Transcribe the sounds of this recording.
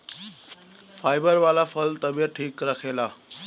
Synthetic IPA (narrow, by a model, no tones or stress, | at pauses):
fajbəɾʋalafəlt̪əbjəʈʰiːkɾakʰela